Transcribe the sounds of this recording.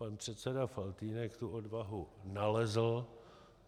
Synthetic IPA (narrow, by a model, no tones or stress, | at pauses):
panpr̝̥ɛt̪sɛdafalt̪iːnɛkt̪uʔo̞dvaɦunalɛzl̩